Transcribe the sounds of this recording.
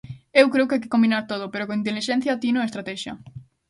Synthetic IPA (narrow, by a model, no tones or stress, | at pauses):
ewkɾeʊkajke̥kombinaɾt̪oðʊpeɾokõŋint̪̬eliʃɛ̃n̟θjat̪inoest̪ɾat̪ɛʃjɐ̰